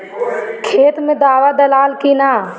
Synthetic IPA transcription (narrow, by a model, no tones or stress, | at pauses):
kʰeːt̪mẽd̪aːwad̪əlaːlkinaː